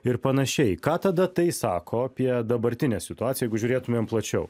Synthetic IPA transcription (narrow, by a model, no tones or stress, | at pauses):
ɪɾpɐnɐʃʲɛɪkɑːt̪ɐd̪ɐt̪ɐɪsɑːkʰoːɐpʲiɛd̪ɐbɐɾʲt̪ʲɪnʲɛːsʲɪt̪ʊɑːt̪sʲɪjɛɪɡʊʒʲuːɾʲeːt̪ʊmʲeːmplˠɐt͡ʃʲɛʊ